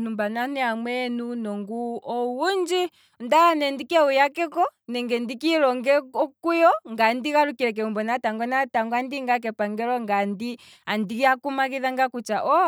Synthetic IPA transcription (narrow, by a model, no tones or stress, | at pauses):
numbananɛamwɛnunɔŋɡuɔwund͡ʒi | ndaanɛndikɛujakɛkɔnɛŋɡɛndikiɾɔŋɡɛɔkujɔŋɡandiɣaɾukiɾɛk̬ɛumbɔnataŋɡɔnataŋɡɔandiŋɡak̬ɛpaŋɡɛɾɔŋɡandi | andiɣiakumakiðaŋɡakut͡ʃaʔɔ